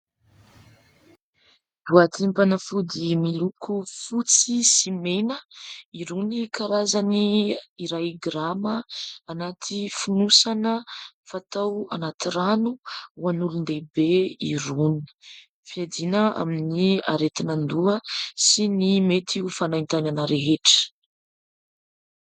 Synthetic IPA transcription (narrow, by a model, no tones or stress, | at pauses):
d̪uat̪ʰimpanəfud̪imilukʰufut͡sisimenəiɾunikaɾazaniːɾajɡɾaməanat̪ʰifunusanə | fat̪awanat̪iɾanuwanulund̪ebeḭɾuni̥ | fiad̪inəa̰minia̰ɾet̪inand̪uəsinimet̪ʰiufanajnt̪ananəɾeɦeʈ͡ʂə̥